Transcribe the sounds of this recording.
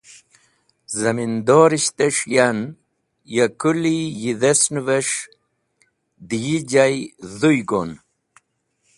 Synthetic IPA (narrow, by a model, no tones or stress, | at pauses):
zamind̪oɾiʃt̪eʂjan | jakulijiðesnuveʂ | d̪ijid͡ʒajðujɡon